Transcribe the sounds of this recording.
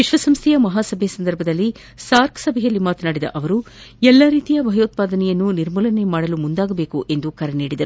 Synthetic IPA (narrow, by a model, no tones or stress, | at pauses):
ʋiʃʋɐsɐmst̪ʰɛjɐmɐɦaːsɐbʱɛsɐnd̪ɐɾbʱɐd̪ɐlːi | saːɾksɐbʱɛjɐlːimaːt̪ɐnaːɽid̪ɐ̰ʔɐʋɐɾu | ɛlːɐɾiːt̪ijɐbʱɐjoːt̪̚paːd̪ɐnɛjɐnːuniɾmɐlɐne̞maːɽɐlumund̪aːɡɐbe̞ːkuʔe̞nd̪ukɐɾɛniːɽid̪ɐɾu